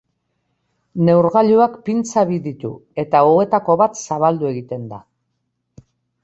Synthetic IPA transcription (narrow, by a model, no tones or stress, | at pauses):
ne̞wɾɣaʎuakpint͡saβiðit̪ṵe̞t̪aoe̞t̪ako̞βat̪saβald̪ue̞ɣit̪e̞nd̪a